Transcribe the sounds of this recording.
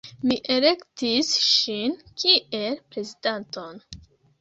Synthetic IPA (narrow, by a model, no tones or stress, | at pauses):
miʔele̞ktisʃinkʰiʔe̞lpɾe̞zidanto̞n